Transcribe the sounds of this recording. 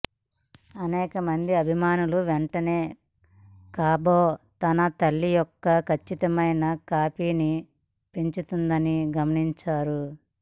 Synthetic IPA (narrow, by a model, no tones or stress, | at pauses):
ɐnɛːkɐmɐnd̪iɐbʱimaːnuluʋeɳʈɐneː | kaːboːt̪ɐnɐt̪ɐlːijɔkːɐkʰɐt͡ʃːit̪ɐmɐjnɐkaːpiːni | peɲt͡ʃut̪und̪ɐniɡɐmɐniɲt͡ʃaːɾu